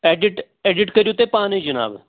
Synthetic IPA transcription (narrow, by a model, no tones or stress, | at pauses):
ɛːɖɪʈ | ɛːɖɪʈkəɾijuːt̪eːpãːnẽːd͡ʒəna̰ːb